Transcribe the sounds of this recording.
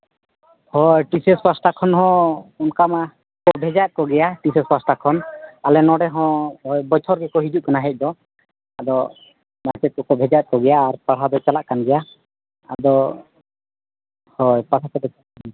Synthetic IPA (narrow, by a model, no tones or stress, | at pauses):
hɔjʈisɛswasʈakʰɔnɦɔ̃ɔnkama | kɔbʱɛd͡ʒat̪̚kɔɡɛjaʈisɛsasʈakʰɔnalɛnɔɽɛɦɔ̃ɔjbɔt̪ʰɔɾɡɛkɔɦid͡ʒuʔ̚kanaɦɛc̚d̪ɔ | ad̪ɔ | masɛt̪̚kɔkɔbʱɛd͡ʒat̪̚kɔɡɛjaːɾpaɽɦad̪ɔt͡ʃalaʔkanɡɛja | a̰d̪ɔ | hɔjpaɽap̪ɛd̪ɔt͡ʃaaan